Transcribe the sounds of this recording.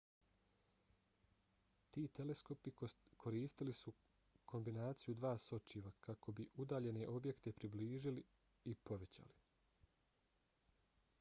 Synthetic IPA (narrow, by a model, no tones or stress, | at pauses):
t̪iːt̪e̞le̞sko̞pikʰo̞ɾiːst̪ilisu | kʰo̞mbinaːt̪sijud̪ʋaːso̞t͡ʃiʋakako̞biʔud̪aːʎe̞ne̞ʔo̞bje̞kt̪e̞pɾibliːʒili | ipo̞ʋe̞t͡ɕa̰li